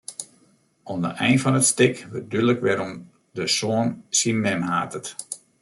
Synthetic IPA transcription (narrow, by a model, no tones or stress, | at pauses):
ondə̰ʔɛjnfɔnətstɪkʋədyləkʋɛɾɔm | dəsoənsinmɛnhaːtət